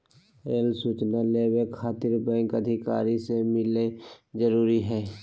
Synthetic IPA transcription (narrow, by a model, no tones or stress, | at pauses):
eːlsuːt͡ʃnaleːwekʰːaːt̪ɪɾbɛ̃ːŋkəd̪ʱɪka̰ːɾisemɪled͡ʒəɾuːɾiɦɛː